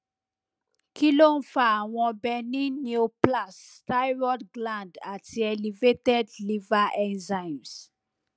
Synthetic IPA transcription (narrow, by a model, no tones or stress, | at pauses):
kʰilonfawɔ̃bɛnĩnjuplastajɹɔdɡlãndatɛlivetɛdlivaʔɛ̃nzãjms